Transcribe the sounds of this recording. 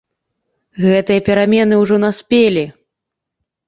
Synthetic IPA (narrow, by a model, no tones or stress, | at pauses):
ɣɛt̪ɨjɐpʲɛɾamʲɛn̪ɨwʐɔnasʲpʲelʲi